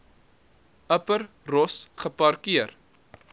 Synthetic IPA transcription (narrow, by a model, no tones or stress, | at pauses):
əpər | rɔsχəpɐrkiər